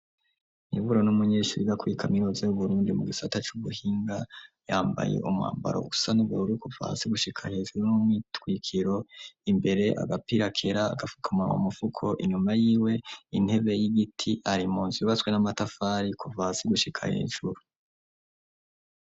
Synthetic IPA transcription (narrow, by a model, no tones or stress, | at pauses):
nivuɾonumuɲe̞ːʃuɾiɡakwikʰamiɾozejuβuɾuːndimuɡisatat͡ʃuβuhiːŋɡajaːmba̰je̞̰ʔumŋa̰ːmba̰ɾousanuβɡouɾikuva̰siɡuʃikʰahe̞ːʒuɾunumitkwiːkʰiɾo̞imbe̞ɾe̞ʔa̰ɡapiɾakʰe̞ɾa̰ːɡafu̥kʰamawa̰mufukʰo̞ʔiɲumajiːwe̞in̥he̞βe̞jiɡitʰiʔaɾimuːnziβat͡swe̞namatafaːɾikuvaːsiɡuʃikʰa̰he̞̰ːʒ̥uɾu